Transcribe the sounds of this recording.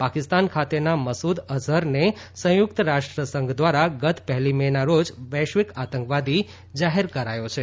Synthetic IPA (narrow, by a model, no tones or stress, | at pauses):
pakɪst̪ankʰat̪enaməsud̪əzəɾnesə̃jʊk̚t̪əɾaʂʈɾəsəŋɡd̪ʋaɾaɡət̪ʰpɛɦlimɛnaɾod͡ʒʋɛʃʋikat̪əŋkʋad̪ʱi | d͡ʒaɦeɾkəɾajot͡ʃʰe